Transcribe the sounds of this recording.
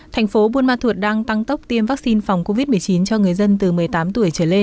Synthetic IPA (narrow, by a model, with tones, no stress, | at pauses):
t̪ʰa˨˩jŋ̟fo˨˦ɓu˧ənmaː˧t̪ʰu˨˩ət̚ɗaː˧ŋt̪a˧ŋt̪ə˦˥k͡p̚t̪i˧əmvaː˦˥k̚si˧nfa˨˩wŋ͡mko˧vi˦˥t̚mɨ˨˩əjt͡ɕi˨˦nt͡ɕɔ˧ŋɨ˨˩əjzə˧nt̪ɨ˨˩mɨ˨˩əjt̪aː˨˦mt̪u˧˩əjt͡ɕəː˧˩le˧n